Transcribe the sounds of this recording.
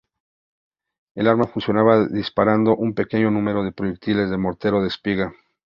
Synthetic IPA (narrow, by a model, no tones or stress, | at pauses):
e̞laɾmafunsjo̞naβaðispaɾand̪o̞ʔumpe̞ke̞ɲo̞nũme̞ɾo̞ð̞e̞pɾo̞ʝe̞k̚t̪ile̞zðe̞mo̞ɾt̪e̞ɾo̞ð̞espiɣa